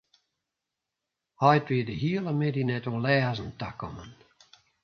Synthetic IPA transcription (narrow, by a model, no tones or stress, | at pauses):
hajtwiːdəhiəlˠəmɪdinɛtɔ̃lɛːzənt̪akɔ̰mən